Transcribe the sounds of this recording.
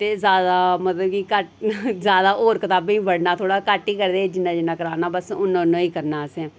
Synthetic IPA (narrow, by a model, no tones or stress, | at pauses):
t̪eːzjaːd̪aːmət̪ləbkikəʈzjaːd̪aːʔoːɾkət̪aːbĩːbəɽnaːt̪ʰoːɽaːkəʈːiːkəɾd̪eːd͡ʒɪnːãːd͡ʒɪnːãːkəɾaːnaːbəsʊnõnõːiːkəɾnaːəsɛ̃ː